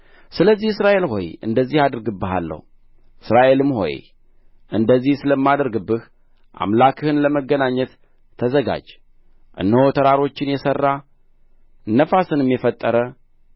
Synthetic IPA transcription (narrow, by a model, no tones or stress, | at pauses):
sɨləzːihɨsɾaʔe̞lɦo̞̰jɨ̰nd̪əzːihad̪ɨɾɡɨbːɨɦa̰lːə̰hu | ʔɨsɾaʔe̞lɨmho̞̰j | ʔɨnd̪əzːihsɨləmːad̪əɾɡɨbːɨh | ʔa̰mlakʰɨhɨnləməɡənaɲːɛt̪ʰː | əzəɡa̰d͡ʒ | ʔɨ̰nːəhot̪ʰəɾaɾo̞t͡ʃːɪnjɛsərːa | nːəfasɨnɨmjɛfət̪ʼːəɾə